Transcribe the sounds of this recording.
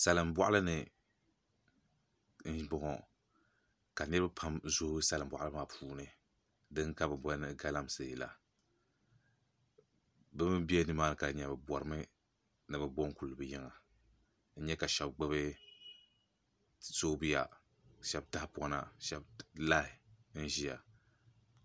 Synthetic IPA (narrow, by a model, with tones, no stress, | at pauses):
sa˨lɨ˨mbʷa̰˦ʔa˦lɨ˦nɨ˨ | n̩˦bɔ˨ŋɔ˨ | ka˨nɨ˦ɾɨ˦bɨ˦pʰa˦mzo˦hɨ˦sa˨lɨ˨m̩˦bʷwa̰˨ʔlɨ˦maː˨pʰuː˦nɨ˨ | dɨ˦ŋ˦ka˦bɨ˨bɔ˦nɨ˦ɡa˦la˦msɨ˨la̰˨ | bɨ˦mɨ˦bi˦ɛ˦nɨ˦maː˦˨nɨ˨ka˨ɲɛ˨bɨ˨bwɔ˨ɾɨ˦mɨ˦ | nɨ˨bɨ˨bɔ˦ŋ˦ku˨lɨ˨bɨ˨ji˦ŋa˨ | n̩˦ɲɛ˦ka˨ʃɛ˨bɡ͡bɨ˦βɨ˦ | so˦bi˦ja˨ | ʃɛ˦bta˦hpa˦na˨ʃɛ˦bla˦hɪ˨n̩˦ʒi˦ja̰˨